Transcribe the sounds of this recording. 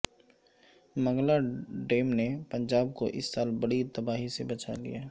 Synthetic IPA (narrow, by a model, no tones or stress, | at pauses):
mɐ̃ŋɡlaɖeːmnepɐ̃ɲd͡ʒaːb̚ko̰ʔɪ̰sːaːlbɐɽit̪ɐbaːɦisebɐt͡ʃa̰lḭjaɦɛ